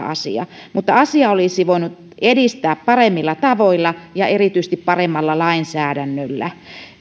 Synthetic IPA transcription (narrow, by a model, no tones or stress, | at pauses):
ɑ̰sḭɑ̰mut̪ːɑɑsiɑolisiʋoinut̪ | edist̪æːppɑremːilːɑt̪ɑʋoilːɑjɑerit̪yis̆t̪ippɑremːɑlːɑlɑinsæːdænːølːæ̰